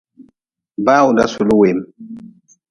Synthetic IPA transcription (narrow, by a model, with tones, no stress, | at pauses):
baː˦wu˨da̰˦su˨lu˦we˨m